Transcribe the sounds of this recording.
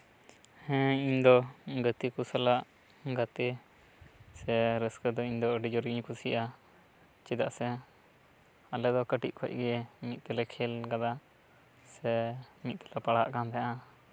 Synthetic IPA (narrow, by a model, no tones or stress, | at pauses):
hɛ̃iɲd̪ɔɡət̪ikusalaʔ | ɡət̪e | sɛɾəskəd̪ɔiɲd̪ɔəɖid͡ʒɔɾɡiɲkʰusiʔa | t͡ʃid̪aʔsɛ | alɛd̪ɔkəʈḭʔ̚kʰɔ̰c̚ɡɛɛmit̪̚t̪ɛlɛkʰɛlɡad̪a | sɛmit̪̚ˀt̪ɛ̥lɛpaɽa̰ʔkamt̪ɛaʔa